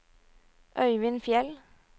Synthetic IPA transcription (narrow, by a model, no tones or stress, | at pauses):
ʔœʏʋɪnfjɛl